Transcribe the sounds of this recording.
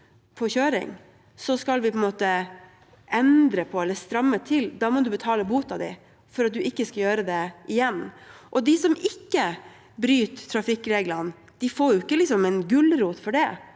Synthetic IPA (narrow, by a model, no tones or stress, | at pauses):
pʰɔçøːɾɪ̰ŋ | sɔskɑlʋɪpʰɔɛnmoːt̪ə | ʔɛnd̪ɾəpʰɔɛlːəst̪ɾɑmːət̪ʰɪld̪ɑːmɔd̪ʉbət̪ʰɑːləbuːt̪ɑd̪æ̰ | fɔɾɑt̪̚d̪ʉɪkːəskɑljøːɾəd̪ɛɪjɛnːʔɔd̪ɪsɔmɪkːə | bɾyːt̪tʰːɾɑfɪkːɾeːɡlən | d̪̥ɪfoːɾjʊɪkːəlɪksɔmɛnɡʉlɾuːt̪fɔɖɛ